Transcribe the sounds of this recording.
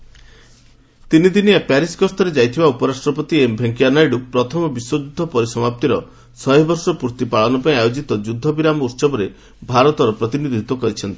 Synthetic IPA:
t̪inid̪iniapɛɾiskɔst̪ʰɔɾed͡ʒajt̪ʰibaupɔɾasʈɾɔpɔt̪iembʱeŋkianajɖupɾɔt̪ʰɔmɔbiswɔd͡ʒud̪ʱːɔpɔɾisɔmap̚t̪iɾɔ | sɔjbʱɔɾsɔpuɾt̪ipaɭɔnɔpaĩajod͡ʒit̪ɔd͡ʒud̪ʱːɔbiɾamɔut̪sɔbɔɾe | bʱaɾɔt̪ɔɾɔpɾɔt̪inid̪ʱit̪ɔkɔɾit͡ʃʰɔnt̪i̥

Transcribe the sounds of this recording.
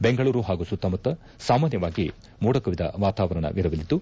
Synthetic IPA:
beŋɡɐɭuːɾuɦaːɡusut̪ːɐmɐt̪ːɐ | saːmaːnjɐʋaːɡi | muːɽɐkɐʋid̪ɐ̰ʋaːt̪aːʋɐɾɐɳɐ̰ʋiɾɐʋilit̪ːu

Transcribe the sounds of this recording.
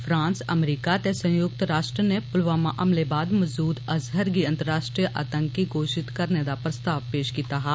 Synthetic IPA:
fʰɾãːnsəmɾiːkat̪esə̃jʊk̚t̪ɾaːʃʈɾənepʊlʋaːmaʔɐmlebaːd̪məzd̪uːd̪ɐzɦəɾɡiɐ̃nt̪əɾːaːʃʈɾijəʔaːt̪ə̃ŋkːiɡoːʃɪt̪kɐɾned̪apɾəst̪aːʋpeːʃkiːt̪aɦɛː

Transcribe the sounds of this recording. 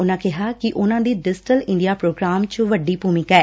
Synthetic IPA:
ʊnãːkɪɦaːkɪʔʊnãːd̪iːɖɪsʈəlɪ̃ɳɖijaːpɾoːɡɾaːmt͡ʃʋəɖːiːpuːmɪ̃kɛː

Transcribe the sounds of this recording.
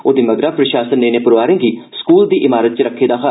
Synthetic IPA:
oːd̪iːməɡɾaːpɾəʃaːsənːeːneːpʊɾoʋaːɾẽːɡiːskuːld̪iːʔɪmaːɾət̪̚t͡ʃəɾəkʰːeːd̪aːxa

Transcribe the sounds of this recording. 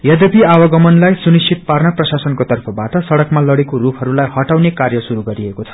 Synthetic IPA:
jʌd̪epiawʌɡʌmʌnlajsunist͡ʃʰit̪̚parnʌprʌsasʌnkot̪ʌrpʰʌbaʈʌsʌɽʌkmalʌɽekorupʰɦʌɾulajhʌʈawnekarjʌsuɾuɡʌɾiekot͡sʰʌ̥

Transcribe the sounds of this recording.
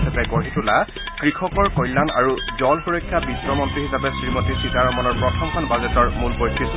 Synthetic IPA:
sapɛɡɔɹitula | kɹikʰɔkɔɹkɔjlːana̰ɹuzɔlxuɹɔjkʰːjabisɹɔmɔntɹiɦisapɛsɹimɔtisikaɹɔmɔnɔɹpɹɔtʰɔmkʰɔnbazɛtɔɹmulpojtʰːi

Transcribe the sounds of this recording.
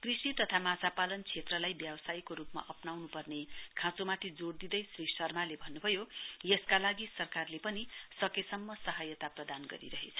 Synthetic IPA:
krisit̪ʌt̪ʰamad͡zapalʌnt͡sʰet̪rʌlajbjʌbʌsajkoɾupma̰ʔʌpnawnupʌrnekʰãt͡somat̪ʰid͡zoɽd̪id̪ʌjsrisʌrmalebʱʌnːubʱʌjojeskalaɡisʌrkarlepʌnisʌkesʌmːʌsʌɦʌjʌt̪aprʌd̪anɡʌ̰ɾḭɾʌɦet͡sʰʌ̥

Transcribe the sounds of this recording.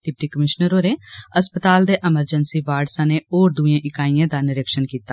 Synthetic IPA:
ɖ̥̪ɪp̚ʈiːkəmɪʃnəɾoːɾeːəspət̪aːld̪eːʔɛməɾd͡ʒənsiːʋaːɾɖsãːneːoːɾd̪ʊẽːʔɪkaːijãːd̪aːnɪɾəkʃənkiːt̪a

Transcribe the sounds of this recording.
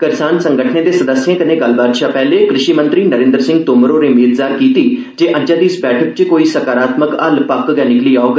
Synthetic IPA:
kəɾsaːnsə̃ŋɡəʈʰəneːd̪eːsɐd̪əsjẽːkɐnẽːɡəl̤baːt̪ʃʰapɛːlekɾɪʃiːmə̃nt̪ɾiːnəɾẽːnd̪ɾsɪ̃ŋɡ̚t̪oːməɾoːɾemeːzd̪aːɾkiːt̪iː | d͡ʒeːʔə̃d͡ʒãd̪iːɪsbɛːʈʰəkt͡ʃekoːiːsəkaːɾaːt̪məkɐlpəkɡɛnɪkliːaːoɡ

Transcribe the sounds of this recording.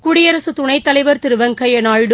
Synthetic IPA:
kʊɽɪjɐɾɐsɯt̪ʊɳɐɪt̪ːɐlɐɪʋɐɾt̪ɪɾɯʋɐŋkɐjɐnaːɻɽɯ

